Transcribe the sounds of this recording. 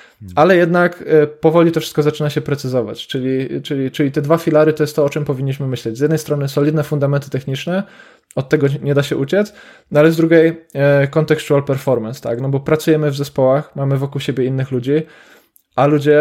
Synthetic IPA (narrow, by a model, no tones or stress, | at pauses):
alɛjɛd̪nakpɔvɔlʲit̪ɔfʂɘ̥st̪kɔzat͡ʂɘnaɕɛpɾɛt̪sɘzɔva̰t͡ɕt͡ʂɘlʲit͡ʂɘlʲit͡ʂɘlʲit̪ɛd̪vafʲilaɾɘt̪ɔjɛst̪t̪ːɔɔt͡ʂɛmpɔvʲiɲːiɕmɘmɘɕlɛd͡ʑzjɛd̪nɛjst̪ɾɔnɘsɔlʲid̪nɛfund̪amɛnt̪ɘ̥t̪ɛxɲit͡ʂnɛ | ɔt̪̚tːɛɡɔɲɛd̪aɕɛʔut͡ɕɛt̪s | nɔalɛzd̪ɾuɡʲejkɔnt̪ɛkʂt̪ualpɛɾfɔɾmɛnst̪a̰knɔbɔpɾat̪sujɛmɘvzɛspɔwaxmamɘvɔkuwɕebʲjɛinːɘxlud͡ʑi | alud͡ʑɛ